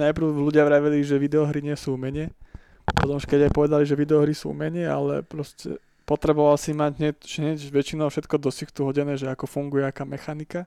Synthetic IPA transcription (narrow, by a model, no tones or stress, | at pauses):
najpɾ̩ʊluɟɪaʋɾaːʋiliʒɛʋid̪ɛɔɦɾiɲɪɛsuːumɛɲɪɛ | pɔt̪ɔmuʃkɛɟajpɔʋɛd̪aliʒɛʋid̪ɛɔɦɾisṵːṵmɛɲɪɛa̰lɛ̰pɾɔscɛ̰ | pɔt̪ɾɛbɔʋalsimaɟɦɲɛʒɛɲɛcʋɛt͡ʃinɔʊfʃɛt̪kɔd̪ɔsixt̪uɦɔɟɛnɛːʒɛakɔfuŋɡujɛakaːmɛxanika